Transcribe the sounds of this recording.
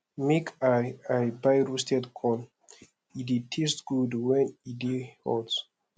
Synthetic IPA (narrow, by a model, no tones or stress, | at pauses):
mikʰaajbajɹustɛdkʰɔ̃n | iditʰestɡ̥udwɛ̃nidihɔ̰ds